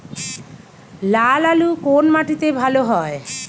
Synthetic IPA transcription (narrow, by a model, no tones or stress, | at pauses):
lalalukonmaʈit̪ebʱaloɦɔe